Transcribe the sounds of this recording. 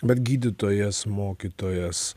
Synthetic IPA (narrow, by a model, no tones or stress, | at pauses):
bʲɛt̪ɡʲiːd̪ʲɪt̪oːjɛsmoːkʲit̪oːjɛs